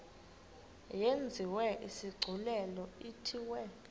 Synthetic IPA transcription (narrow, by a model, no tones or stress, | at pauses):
jend͡zʱiwɛʔisiɡ͡ǀʱulɛlɔitʰiwɛ